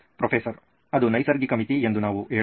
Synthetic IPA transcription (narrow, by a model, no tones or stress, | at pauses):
pɾofʰeːsɐɾ | ɐd̪unɐjsɐɾɡikɐmit̪ie̞nd̪unaːʋueː